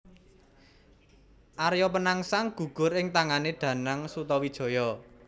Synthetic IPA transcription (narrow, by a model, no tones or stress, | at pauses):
ʔaɾjɔpənaŋsaŋɡ̥ṳɡ̥ʊ̤ɾɪŋt̪aŋaneɖ̪̥ä̤naŋsut̪ɔwid̥ʒ̥ɔ̤jɔ